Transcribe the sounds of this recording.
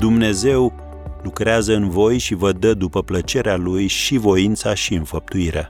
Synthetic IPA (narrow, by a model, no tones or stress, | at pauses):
d̪umne̞ze̞w | lukɾeazəɨnvo̞jʃivəd̪əd̪upəplət͡ʃe̞ɾealujʃivo̞int̪saʃiɨnfəp̚t̪uiɾʔḛ